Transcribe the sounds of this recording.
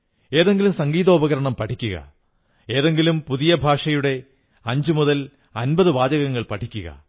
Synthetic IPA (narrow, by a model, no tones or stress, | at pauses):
e̞ːðe̞ŋɡilumsɐŋɡiːðo̞ːbɐɣɐɾɐɳɐmpɐʈʰikʲːuɣɐ̰ | e̞ːðe̞ŋɡilumpuðijɐbʱaːʂɐjuɽe̞ | ɐɲd͡ʑumuðɐl | ɐnbɐðɨʋaːd͡ʑɐɣɐŋːɐɭpɐʈʰikʲːuɣɐ̰